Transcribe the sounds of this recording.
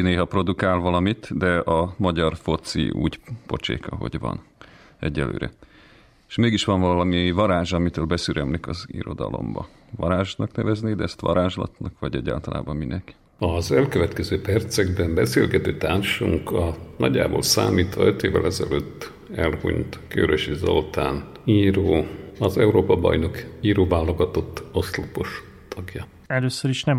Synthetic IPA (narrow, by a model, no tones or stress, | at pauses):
neːɦɒpro̞d̪ukaːlvɒlɒmit̪d̪ɛʔɒmɒɟɒrfo̞t̪sḭṵːɟpo̞t͡ʃḛːkɒɦo̞̰ɟvɒ̰n | ɛɟːɛlø̰ːɾɛ̰ | e̥ʃmeːɡiʃʋɒɱvɒllɒmivɒɾaːʒɒmit̪øːlbɛsyɾɛmlikɒzḭɾo̞d̪ɒ̰lo̞̰mbɒ | vɒɾaːʒnɒknɛvɛzneːd̪ɛɛst̪ʋɒ̰ɾaːʒlɒ̰t̪nɒkʋɒɟɛɟːa̰ːlt̪ɒla̰ːbɒmminɛk | ɒzɛlkøvɛt̪kɛzøːpɛrt̪sɛɡ̚bɛmbɛsḛːlɡɛt̪øːt̪aːrʃuŋkɒnɒɟːa̰ːboːlsa̰ːmiːt̪ʋɒøt̪eːvɛ̰lɛzɛ̰løːt̪ː | ɛlhṵɲt̪kø̰ɾøʃizo̰lt̪aːn | iːɾoːɒzɛuɾoːpɒbɒ̰jno̞kiːɾoːvaːlːo̞ɡɒt̪o̞t̪ːoslopoʃ | t̪ʰɒɡjɒ | ɛløːsøɾiʃnɛm